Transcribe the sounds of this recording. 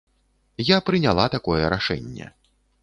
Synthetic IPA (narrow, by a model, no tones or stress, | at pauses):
japɾɨnʲalˠat̪akɔjɛɾaʂɛ̰nʲːɛ̰